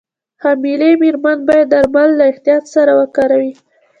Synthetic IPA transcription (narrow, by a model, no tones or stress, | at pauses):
hamilemiɾmanbɑjad̪ːaɾmalːaɪht̪ijɑt̪saɾawəkɑɾawi